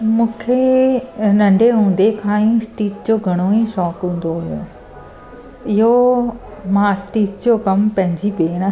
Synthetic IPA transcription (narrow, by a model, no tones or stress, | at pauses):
mũːkʰe | nɐ̃ɳɖʱeɦũːn̆d̪ekʰãːĩsʈiːd͡ʑd͡ʑoɡʱɐɽ̃oĩʃɔːkɦũːn̆d̪oɦʊjo̰ | ɪɦo | mãɐsʈiːd͡ʑd͡ʑokɐmpɐ̃ɦɪ̃ɲd͡ʑipeːɽ̃